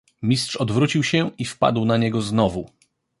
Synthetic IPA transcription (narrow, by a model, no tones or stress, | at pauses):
mʲistʂɔd̪vɾut͡ɕiwɕɛifpa̰d̪wnaɲɛɡɔznɔvu